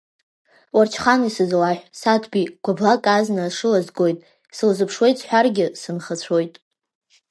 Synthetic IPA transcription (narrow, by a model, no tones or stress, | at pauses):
wart͡ʃʰχanisɨzlaħᶣʷsatʰbiɡ̥ʷablakʼaznaʂɨlazɡo̞jtʼ | sɨlzɨpʰʂwe̞jt͡sʼħʷᶣarɡʲɪsɨnχat͡ɕʷʰo̞jtʼ